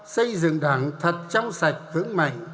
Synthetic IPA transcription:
sə˧jzɨ̰˧˨ŋɗaː˨˩˦ŋt̪ʰə˨˩t̚t͡ɕɔ˧wŋ͡msa˨˩jk̚hɨ̰˧˥əŋma̰˧˨jŋ̟

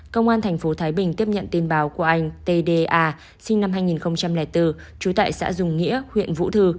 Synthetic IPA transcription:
kə˧wŋ͡mʔaː˧nt̪ʰɛ˨˩jŋ̟fo˨˦t̪ʰaː˨˦jɓï˨˩ŋ̟t̪i˦˥əp̚ɲə̰˧˨nt̪i˧ənɓaː˨˦wku˧˩əʔa˧jŋ̟t̪e˧ɗe˧ʔaː˧ | sï˧ŋna˧mɦaː˧jŋi˨˩nxə˧wŋ͡mt͡ɕa˧mlɛː˧˩jt̪ɨ˧ | t͡ɕu˨˦t̪a̰ː˧˨jsa̰ː˧˥zʊ˨˩ŋ͡mŋḭ˧˥əhwḭ˧˨ənvṵ˧˥t̪ʰɨ˧

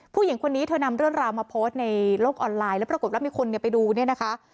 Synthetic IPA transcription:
pʰuː˥˩ji˩˦ŋkʰo˧nːiː˦˥t̪ʰɤː˧na˧mɾɯ˥˩əŋɾaː˧wmaː˧pʰoː˦˥st̪̚na˧jloː˥˩k̚ʔɔː˧nlaː˧jlɛː˦˥pɾa˧ko˨˩t̚waː˦˥mi˧˩kʰo˧nːi˨˩əpa˧jduː˧ni˥˩na˦˥kʰa˦˥ʔ

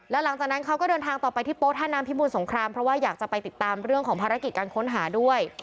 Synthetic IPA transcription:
lɛː˦˥wla˩˦ŋt͡ɕaː˨˩k̚na˦˥nkʰa˦˥kɔː˥˩dɤː˧nt̪ʰaː˧ŋt̪ɔː˨˩pa˧jt̪ʰiː˥˩po˦˥t̪̚haː˥˩naː˦˥mpʰi˦˥muː˧nso˩˦ŋkʰɾaː˧mpʰɾɔ˦˥waː˥˩jaː˨˩k̚t͡ɕa˨˩pa˧jt̪i˨˩t̪ːaː˧mɾɯ˥˩əŋkʰɔː˩˦ŋpʰaː˧ɾa˦˥ki˨˩kaː˧nkʰo˦˥nɦaː˩˦du˥˩əj

